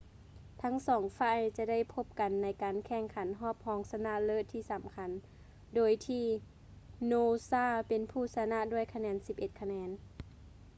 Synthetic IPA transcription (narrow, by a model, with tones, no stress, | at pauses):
t̪ʰa˦˥ŋsɔː˩˦ŋfa˧˩˨jt͡ɕa˧da˥˨jpʰo˧p̚ka˨nːa˨˥jkaː˨nkʰɛː˧˩ŋkʰa˨˦nɦɔː˥˩p̚hɔː˧˦ŋsa˧na˧˥lɤ˧˨t̪ʰiː˧˩sa˨˦mkʰa˨˦n | doː˨jt̪ʰiː˧ | noː˧saː˧˥˩pe˨npʰuː˧˩sa˧na˧ʔdu˧˥˩əjkʰa˧nɛː˨˧˥nsi˧p̚ʔe˧t̪̚kʰa˧nɛː˧˦n